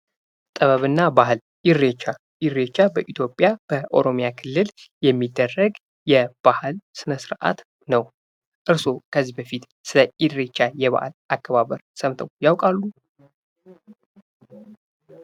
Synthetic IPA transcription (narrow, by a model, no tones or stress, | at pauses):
t̪ʼəβəβɨnːabaɦɨl | ʔiɾet͡ʃːa | ʔɪɾet͡ʃːabəʔit̪ʰjo̞pʼjab̥əʔo̞̰ɾo̞mjakʰɨlːɨljɛmːid̪ːərːəɡ | jɛb̥ahɨlsɨnəsɨɾʔa̰t̪ | nəw | ʔɨɾso̞kʰəzːihbəfit̪ | sɨləʔid̪ɾe̞t͡ʃːajɛβa̰ha̰lʔakːəβaβəɾsəmt̪ʰəwjawkʼalːu